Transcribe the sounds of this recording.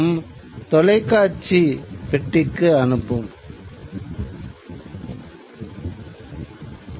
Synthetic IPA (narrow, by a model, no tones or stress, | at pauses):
mt̪ɔlɐɪkːaːʈt͡ʃːipɛʈːɪkːɯɐnɯpːɯm